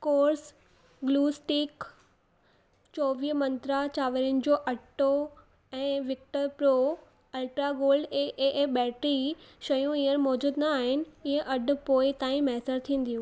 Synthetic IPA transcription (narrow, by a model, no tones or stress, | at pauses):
koːɾs | ɡluːsʈiːk | t͡ɕɔːʋiːmɐ̃nt̪ɾat͡ɕaːʋəɾjʊnɪ̆d͡ʑoːʔɐʈo | ɛ̃ːʋɪk̚ʈəɾpɾoː | ɐlʈɾaɡoːlɖeʔeʔɓɛːʈɾiʃɐjũiɦəñɪ̆mɔːd͡ʑuːd̪nɐaːɦɪnɪ̆ɪɦẽʔɐɖʱʊ̆poːɪt̪ãːĩmɛɦsəɾt̪ʰĩːn̆d̪ijũː